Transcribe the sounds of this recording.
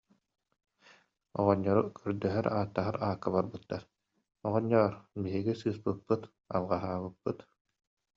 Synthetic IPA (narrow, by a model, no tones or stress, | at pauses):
ɔʁɔɲːɔɾukʰœɾd̪œɦœɾaːt̪ːaɦaɾaːkːabaɾbɯt̪ːaɾ | ɔʁɔɲːɔɔɾbiɦiɡisɯːspɯpːɯt̪ | a̰lˠʁaɦaːβɯpːɯt̪